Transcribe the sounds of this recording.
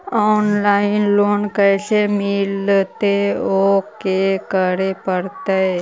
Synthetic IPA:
ɔːnlaːɪnloːnkəːsemɪlt̪eoːkekəɾepəɽt̪e

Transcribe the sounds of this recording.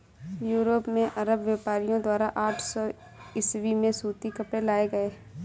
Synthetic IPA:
juːɾopmẽʔɐɾəbʋjapaːɾijõd̪waːɾaʔaːʈʰsɔː | ɪswimẽsuːt̪ikɐpɽelaːeɡɐeː

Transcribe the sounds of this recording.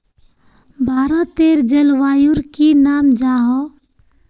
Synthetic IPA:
bʱaːɾãt̪eɾd͡ʒəlʋajuɾkinamd͡ʒaɦɔ

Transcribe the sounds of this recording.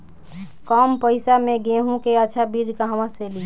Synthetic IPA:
kɔmpəɪsameɡẽɦũkeətːʃʰabid͡ʒkaɦəmãseli

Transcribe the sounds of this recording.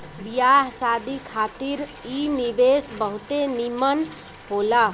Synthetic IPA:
bijaɦsad̪ikʰat̪iɾinibesbəɦut̪enimən | ɦola

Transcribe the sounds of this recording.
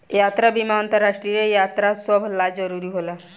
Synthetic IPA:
jat̪ɾabimaɔnt̪ɔɾaʃʈɾiɾejat̪ɾasɔbʱlad͡ʑɔɾuɾiɦola

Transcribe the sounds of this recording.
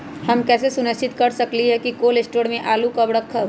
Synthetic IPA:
hɐmkɛːsesʊnəʃt͡ʃɪt̪kɐɾsɐkliɦɛkikoːlɪsʈoːɽmẽʔaːlukɐbɽəkʰːə

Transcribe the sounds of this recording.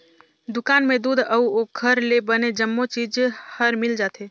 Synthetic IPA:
d̪ʊkaːnmẽd̪uːd̪ʱəuoɡʰʱəɾlebəned͡ʒəmːot͡ʃiːd͡ʒhəɾmɪld͡ʒaːt̪ʰeː

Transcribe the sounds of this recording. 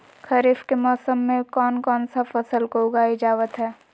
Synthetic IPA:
kʰɐɾɪfkemɔːsəmːẽkɔːnkɔːnsafəsəlkoʊɡaːid͡ʒaːʋət̪ɦɛː

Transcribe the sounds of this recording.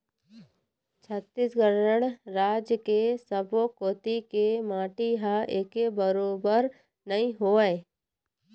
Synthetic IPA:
t͡ʃʰət̪ːisɡəɾəɽ̃ɾaːd͡ʒjəkesəbokoːt̪ikemaːʈiɦaʔeːkebəɾoːbəɾ | nəɦĩɦoːəe

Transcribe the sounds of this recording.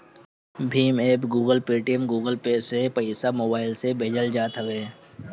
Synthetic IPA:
bʱiːmeːpɡuːɡəlpeːʈiəmɡuːɡəlpeːsepəɪsamoːbaːɪlsebʱeːd͡ʒəld͡ʒaːt̪ɦəʋeː

